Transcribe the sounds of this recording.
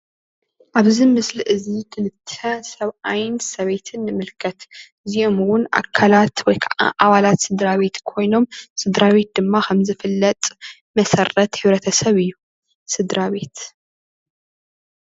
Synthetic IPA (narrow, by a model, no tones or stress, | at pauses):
ʔaβzimɨsliʔɨzik̪ʰɨlɨt̪ʰːɐsɐβajɪnsɐβe̞t̪ʰɨnːɨmɨlkʰɐt̪ | ziʔo̞muwʊnʔa̰kʰːalat̪wɔjkʰɐʔa̰ʔaβalat̪sɨd̪ɾaβe̞t̪kʰo̞jno̞msɨd̪ɾaβe̞t̪̚d̪ɨmːakʰɐmzɨfɨlːɐt̪ʼ | mɐsɐrɐt̪hɨβɾɐt̪ʰɐsɐβɨjːu | sɨd̪ɾaβe̞t̪